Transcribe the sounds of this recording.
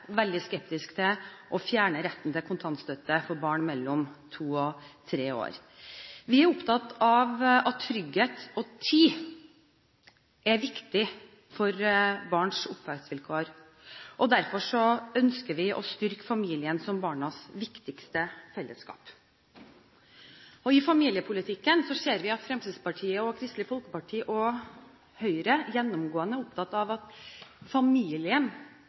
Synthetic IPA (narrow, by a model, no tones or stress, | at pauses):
ʋɛld̪ɪskɛp̚t̪ɪskt̪ʰɪʔɔfjæːɳəɾɛt̪ːn̩t̪ɛlkʰʊnt̪ʰɑnt̪st̪œt̪ːəfɔɾbɑːɳmɛlːɔmt̪ʰuːɔt̪ʰɾeːo̰ːɾ | ʋɪæɾʊpt̪ʰɑt̪ːɑʋɑt̪ʰːɾʏɡheːt̪ɔt̪ʰiː | ʔɛʋɪkt̪ɪ | fɔɾbɑːɳʂʊpʋækt̪sʋɪlkʰoːəɾ | ʔɔd̪æɾfɔʂɔœnskəʋɪʔɔ̰st̪ʏɾkə̥fɑmiːlɪənsɔmbɑːɳɑsʋɪkt̪ɪkst̪əfɛlːəskɑ̰ːp | ɔɪfɑmiːlɪəpʰʊlɪt̪ʰɪkːənsɔseːɾʋɪɑt̪fɾɛmsiːd̪spɑʈʰiːəɔkʰɾɪst̪lɪfɔlkəpɑʈʰiːʔɔ | hœʏɾəjɛnːʊmɡoːənəʊpt̪ʰɑt̪ːɑʋɑt̪fɑmiːlɪən